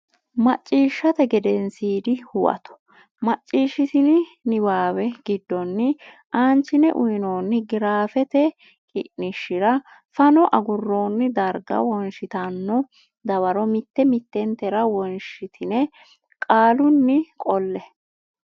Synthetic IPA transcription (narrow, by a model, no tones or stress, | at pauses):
mɐt͡ʃʼːiːʃːɐt̪ɛɡɛd̪ɛnsiːd̪ɪhʊwʔɐ̰t̪ɔ̥ | mɐt͡ʃʼːiːʃɪt̪ɪnɪnɪbaːwɛɡɪd̪ːɔnːɪ | ʔaːnt͡ʃːɪnɛʔʊɪnoːnːɪɡɪɾaːfɛt̪ɛ | kʼɪ̰ʔnɪʃːɪɾɐ | fɐnɔʔɐɡʊrːo̞ːnːɪd̪ɐɾɡɐ̰wɔnʃɪt̪ɐnːɔ | d̪ɐβɐɾɔmɪt̪ːɛmɪt̪ːɛnt̪ɛɾɐwɔnʃɪt̪ʰɪnɛ | kʼaːlʊnːɪkʼɔlːɛ